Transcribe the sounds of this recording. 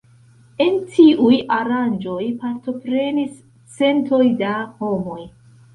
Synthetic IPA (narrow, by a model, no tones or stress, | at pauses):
e̞ntʰiʔujaɾand͡ʒo̞jpaɾto̞pɾe̞nis | t͡se̞nto̞jdaho̞mo̞j